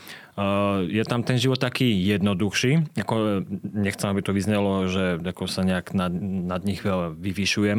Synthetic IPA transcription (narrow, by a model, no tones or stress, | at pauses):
jɛt̪amt̪ɛnʒiʋɔt̪t̪ːakiːjɛd̪nɔd̪uxʃiːakɔɲɛxt͡sɛmabit̪ɔʋizɲɛlɔʒɛakɔsaɲɛaɡnanad̪ɲiɣʋɛlʋiʋiʃujɛm